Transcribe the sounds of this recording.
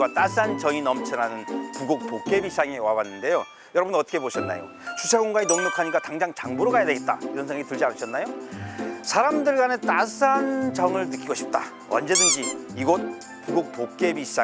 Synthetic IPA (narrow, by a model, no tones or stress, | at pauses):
wat͈as͈ant͡ɕʌŋinʌmt͡ɕʰʌnanɯnpuɡok̚pok͈̚e̞biɕʰis͈ʰaŋe̞wabanːɯnde̞jo | jʌɾʌbɯnʌt͈ʰʌkʰe̞boɕʰʌnːa̰jo̰ | t͡ɕusʰaɡoŋɡainʌmnokʰaɲik͈ataŋd͡ʑaŋt͡ɕaŋbuɾoɡajadeɡe̞t̚t͈a̰iɾʌnsʰŋaitɯɭd͡ʑianɯɕʰʌnːajo | sʰaɾamdɯɭɡwanɯnt͈as͈ant͡ɕʌŋɯɭnɯk͈iɡoɕʰi̥p̚t͈a | ʌ̰nd͡ʑe̞dɯnd͡ʑiːɡʌt̚ | puɡok̚pok̚k͈e̞biɕisa